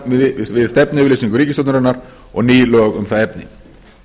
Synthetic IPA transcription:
vɪðst̪ɛpnɪvɪlesiŋkʏɾiːcɪst̪ɔwt̪nʏɾanaɾ | ɔɣniːlɔːɣʏmθaðɛpnɪ̰

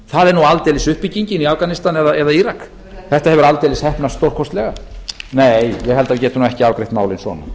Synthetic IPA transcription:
θaðɛɾnualt̪ejlɪsʏhpiciɲcɪniafkanɪst̪anɛðaʔɛðaiɾak | θɛht̪ahɛvʏɾalt̪ejlɪshɛhpnast̪owr̥kʰɔst̪lɛɣaneːjjɛɦɛlt̪avcɛːt̪ʏnuɛhcɪavkɾejht̪maːwlɪnsvɔ̰na̰

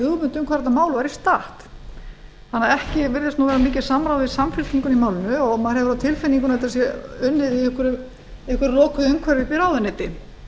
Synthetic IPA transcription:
hʏɣmʏnt̪ʏmkʰvaɾɛt̪amaːwlvaɾist̪aht̪ | θanːaaɛhcɪvɪɾðɪst̪uwvɛːɾamiːcɪ̥samɾawvɪðsamfɪl̥t̪niŋkʏnimaːwlɪnʏɔɣmaðɾhɛvʏɾawt̪ʰɪlfɪnːiŋkʏnðɛt̪as̬jɛʏnːɪðiɛhkʏɾʏ | ɛhkʏɾlɔːkʰʏðʏmkʰvɛɾvɪpiɾaːwðanɛːt̪ɪ

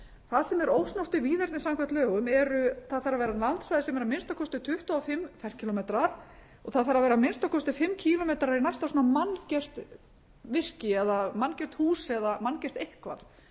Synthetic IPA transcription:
θaðsɛmɛɾoːwsnɔr̥t̪ɪviːðɛɾt̪nɪsaŋkʰvaht̪lœːɣʏmɛɾʏθaðθaɾavɛːɾalant̪svajðɪsɛmɛɾamɪnst̪awkʰɔst̪ʏt̪ʰʏht̪aɔfɪmfɛ̥cʰilɔmet̪ɾaɾ̥ | ɔɣθaðθaɾavɛːɾamɪnst̪awkʰɔst̪ʏfɪmːcʰilɔmet̪ɾaɾinajst̪avsɔːnamancɛr̥t̪ | vɪr̥cɪɛðamancɛr̥t̪huːsɛðamancɛr̥t̪ehkva̰θ

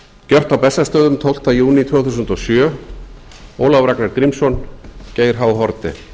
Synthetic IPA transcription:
cœr̥t̪awpɛsːast̪œːðʏmt̪ʰowl̥t̪ajuːnit̪ʰvœːθus̬ʏnt̪ɔsjœː | oːwlavɾaknaɾk̪ɾimsɔnceːjɾ̥ɦaːwɦɔɾt̪ɪ̰

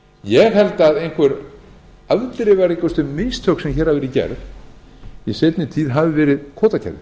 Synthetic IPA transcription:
jɛɣhɛlt̪aðejnkʰvɛɾ | alt̪ɾɪvaɾikɔst̪ʏmejst̪ʰœksɛmçɛːɾ̥havɛːɾɪcɛ̰ɾð | jɛseːjt̪nɪt̪ʰiːðɦavɪvɛːɾɪðkʰɔːt̪acʰɛ̰ɾðɪ̰

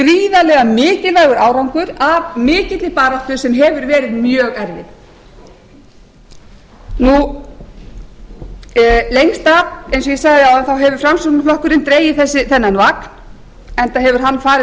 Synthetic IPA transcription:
kɾiːðalɛɣamɪːcɪlvaɣʏɾaːwɾawŋkʏɾavmɪːcɪt̪lɪpaːɾaht̪ʏ̥sɛmɦɛvʏɾvɛːɾɪðmjœːɣɛɾvɪð | nu | lejŋst̪aejnsɔjɛsaɣðɪawðanθawɦɛvʏ̥fɾamsɔnʏflɔhkʏɾɪnt̪ɾeːjɪθɛsːɪθɛnːanvaːk | ɛnt̪aɦɛvʏɾ̥ɦanːfaːɾɪ

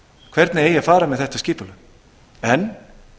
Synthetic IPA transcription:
kʰv̥ɛɾt̪nɪeːjafaːɾamɛðθɛht̪ascɪːpʏlʏ | ɛn

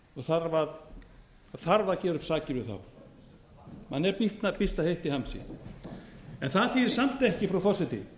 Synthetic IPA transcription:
ɔθaɾvað | aθaɾvaðcɛːɾʏpsaːcɪɾvɪðθa̰w | manːɛɾpiht̪napist̪ahejht̪ihamsɪ̰ | ɛnθaðθiɾsam̥t̪ɛhcɪfɾawfɔr̥sɛt̪ɪ̰

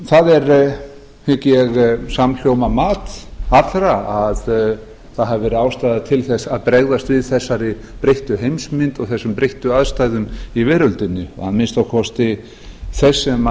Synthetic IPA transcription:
θaðɛɾ | hɪcɛɣsaml̥jowmamaːt̪at̪lɾaað | θaðɦavvɛːɾʏaːwst̪ajðat̪ʰɪlθɛsaðpɾɛɣðast̪vɪðθɛsːaɾɪ | pɾeht̪ʏɦejmsmɪnt̪ɔɣθɛsːʏmpɾejht̪ʏaðst̪ajðʏmivɛːɾʏlt̪ɪnːɪ̰hanmɪnst̪awkʰɔst̪ɪ | θɛsːɛma

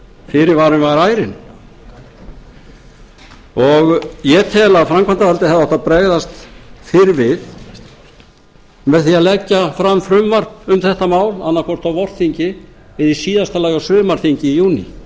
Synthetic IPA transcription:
fɪɾɪɾvaːɾʏnvaɾaːjɾɪn | ɔɣjɛt̪ʰɛːlafɾamkʰant̪avalt̪ɪθaðaawht̪aðpɾɛɣðast̪fɪɾvɪð | mɛðθiaðlɛcːafɾamfɾʏmvar̥pʏmθɛht̪amaːwlanːaɾkʰɔr̥t̪awvɔr̥tθiɲcɪvɪðisiːðast̪alaːjawsʏːmaɾ̥θiɲcɪijuːnḭ

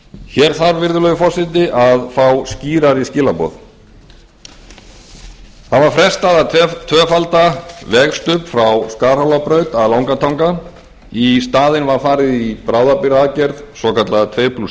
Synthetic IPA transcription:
çɛːɾ̥θaɾvɪɾðʏlœjʏfɔr̥sɪt̪ɪʔaðfawsciːɾaɾiscɪːlapɔ̰ð | θavaɾ̥fɾɛst̪aðat̪ʰvœːfalt̪avɛɣst̪ʏpfɾawskaːɾ̥hawlapɾœɥt̪aðlaːwŋkat̪ʰawŋka | ist̪aːðɪnvaɾ̥faːɾɪðipɾaːwðapiɾaðcɛɾðsɔkat̪lat̪ʰveːjpʰlus

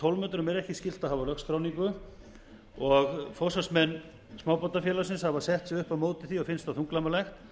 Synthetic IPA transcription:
t̪ʰolmœːt̪ʏɾʏmɛɾɛhcɪscɪl̥t̪ahavalœxst̪ɾoːwniŋkʏ | ɔɣfowsasmɛnː | smaːwpɔt̪ːafjɛːlasɪnshavasɛht̪sɛɣʏhpaðmoːwt̪ɪθiɔɣfɪnst̪aθuŋklamalɛxt̪

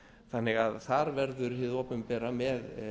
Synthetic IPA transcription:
θanːɪɣaðθaɾvɛɾðʏɾhɪðɔpʏmpɛːɾamɛð

